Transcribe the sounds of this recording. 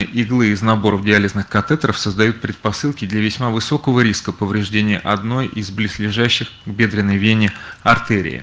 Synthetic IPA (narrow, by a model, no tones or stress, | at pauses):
ɨʔɪɡlˠɨɪznɐbo̞ɾəvdʲɪalʲɪznɨxkɐt̪ɛt̪ɾəfsəzd̪ɐjut̪̚pɾʲɪt̪̚pɐsɨlˠkʲɪd̪lʲɐvʲɪsʲmavɨso̞kəvəɾʲiskəpəvɾʲɪʐdʲenʲɪjəʔɐd̪no̞jizblʲɪslʲɪʐæɕːɪxɡbʲe̞d̪ɾʲɪnːəjvʲenʲːɪɐrt̪ɛɾʲɪ̰ɪ̰